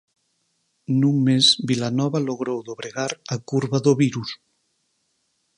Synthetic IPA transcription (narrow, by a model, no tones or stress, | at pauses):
nuŋmezbilanɔβaloɣɾowðoβɾeɣaɾakuɾβaðoβiɾus